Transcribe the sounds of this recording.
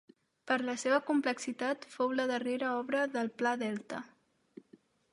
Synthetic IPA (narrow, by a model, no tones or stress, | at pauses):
pəɾləseβəkumpləksit̪at̪fowləðəreɾəɔβɾəðəlˠplaðɛlˠt̪ə̰